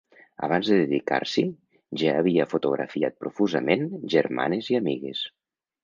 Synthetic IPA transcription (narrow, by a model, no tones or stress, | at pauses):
ə̰β̞anzðəðeðika̰ɾsi | ʒaːβ̞iəfut̪uɣɾa̰fiat̪̚pɾufuzəmenʒeɾma̰neziamiɣḛs